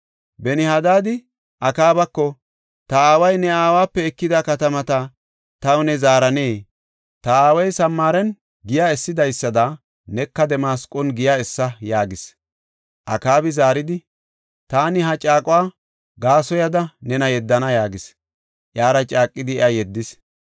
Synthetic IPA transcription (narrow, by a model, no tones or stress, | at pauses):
bɛnɪhɐd̪aːd̪ɪ | ʔɐkaːbɐkːɔ | t̪ɐaːwɐjnɛaːwaːpːɛɛkːɪd̪ɐkɐt̪ɐmɐt̪ɐ | t̪ɐwnɛzaːɾɐneː | t̪ɐaːwɐjsɐmːaːɾɛn | ɡɪjaɛsːɪd̪ɐjsːɐd̪ɐ | nɛkːɐd̪ɛmaːskʼɔnɡɪjaɛsːɐjaːɡɪs | ʔɐkaːbɪzaːɾɪd̪ɪ | t̪aːnɪɦɐt͡ʃʼaːkʼʊwaː | ɡaːsɔjɐd̪ɐnɛnɐjɛd̪ːɐnɐjaːɡɪs | ʔjaːɾɐt͡ʃʼaːkʼːɪd̪ɪɛɐjɛd̪ːɪs